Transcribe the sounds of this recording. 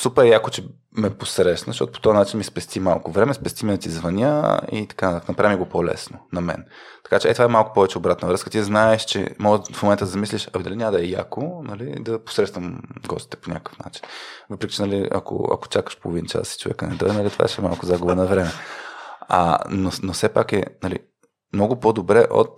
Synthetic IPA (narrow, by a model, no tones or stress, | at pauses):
supɛɾjakot͡ʃɛ | mɛposɾɛʃnɐzʃtɔ̰t̪opo̥t̪ɔvanat͡ʃinmispɛst̪ʲimalˠkʊvɾɛmɛspɛst̪iminɐt̪izvɐnʲə̰ḭt̪ɐ̥kant̪aknɐpɾavimiɡopɔlɛ̰snonɐmɛ̰nt̪ɐ̥kat͡ʃɛɛt̪ovaɛmalˠkʊ̥pɔvɛt͡ʃɛobɾat̪nɐvɾɤskə̥t̪iznaɛʃt͡ʃɛ̰mɔɡəfmomɛnt̪əd̪ɐzɐmisliʃɐd̪alinʲamd̪ɐɛja̰konɐlid̪ɐpo̥sɾɛt̪t̪vɐmɡɔ̰st̪i̥t̪ɛ̥ponʲakəkə̥fna̰t͡ʃi̥nvɤpɾɛkʲi̥t͡ʃɛnɐliɐ̰ko̰ɐ̰ko̥t͡ʃakə̥ʃpo̰lˠovint͡ʃa̰si̥t͡ʃovɛ̰kənɛ̰d̪ɔ̰jnɐlit̪va̰ɛʃɛmalˠkʊzaɡʊbənɐvɾɛmɛ | a̰nonofsɛpakɛ̰nɐlḭ | mnɔɡʊpod̪obɾɛʔo̰t̪̚